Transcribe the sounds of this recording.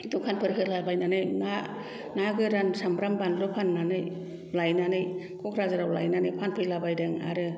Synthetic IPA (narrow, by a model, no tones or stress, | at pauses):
dupʰanpʰɯɾɦɯlabajnanɯjna | naɡɯɾansamɾambanlɯpʰanːanɯj | lajnanɯj | kʰukʰɾazaɾawla̰jnanɯjpʰanpʰɯjlabajdɯŋa̰ɾɯ